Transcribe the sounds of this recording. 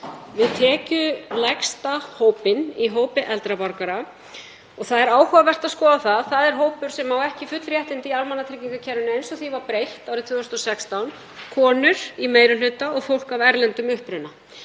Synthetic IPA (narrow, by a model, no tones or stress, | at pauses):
vɪðt̪ʰɛːcʏlɛkst̪ahoːwpɪniɦoːwpɪʔɛlt̪ɾapaɾkaɾa | ɔɣθaðɛɾaːwhʏvavɛr̥t̪aðskɔːðaθaðθaðɛɾɦoːwpʏɾ̥sɛmawɛhcɪfʏt̪lrjɛht̪ɪnt̪ɪialmanat̪ʰeciŋkacʰɛɾʏnʏejnsɔθivaɾpɾejht̪awɾɪt̪ʰvʏːɣʏst̪ɔsɛkst̪awn | kʰɔːnʏɾ̥imeːjɾʏl̥ʏːt̪aɔɣfowl̥kavɛɾlɛnt̪ʏmʏhpɾʏnːa